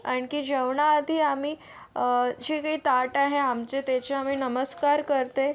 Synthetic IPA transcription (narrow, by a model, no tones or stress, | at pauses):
aɳkiːd͡ʑəʋɳaːd̪ʱiːamiː | d͡ʑikaɦiːt̪aʈaɦeamt͡ɕet̪et͡ɕeamiːnəməskaɾkəɾt̪e